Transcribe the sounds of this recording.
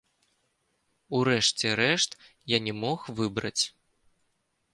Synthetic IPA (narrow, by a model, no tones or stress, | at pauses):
uɾɛʂt͡sʲɛɾɛʂt̪ | janʲɛmɔxvɨbɾɐ̰t͡sʲ